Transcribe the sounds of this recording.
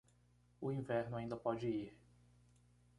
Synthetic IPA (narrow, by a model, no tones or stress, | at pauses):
ʊĩvɛɾnʊaĩnd̪ɐpɔd͡ʒɪiɾ